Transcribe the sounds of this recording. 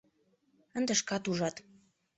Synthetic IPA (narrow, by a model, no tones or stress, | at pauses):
ənd̪ĕʃkɑt̪uʒɑt̪